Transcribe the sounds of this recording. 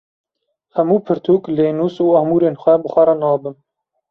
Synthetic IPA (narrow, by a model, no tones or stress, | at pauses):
hɛmuːpʰɨɾt̪ʰuːkleːnuːsuːɑhmuːɾeːnxʷɛbɨxʷɛɾɑnɑːbɨm